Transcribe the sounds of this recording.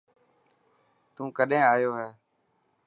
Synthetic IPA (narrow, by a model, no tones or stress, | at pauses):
t̪ũːkəɗɦẽːaːjoːɦɛː